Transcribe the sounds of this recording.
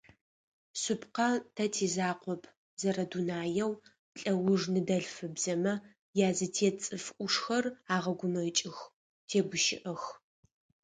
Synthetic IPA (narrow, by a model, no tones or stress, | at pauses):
sʊpqɐtʰɐtʰeːzaːqʷɔpʰ | zɐrɐdunaːjɛw | ɬʼɐwʊʐnɨdɐɮfɨbz̥ɐmɐ | jaːzɨtʰeːt͡sʼɨfʔʷʊʂxɐraːʁɐɡʷʊmɐt͡ʃʼɪx | tʰeːɡʷʊʃɪʔɐx